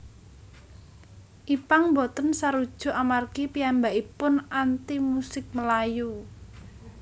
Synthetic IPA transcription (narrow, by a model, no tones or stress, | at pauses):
ʔipaŋmbɔt̪ənsaɾud̥ʒ̥ɔ̤ʔamarkipianbaʔipʊnant̪imusɪk̚məlaju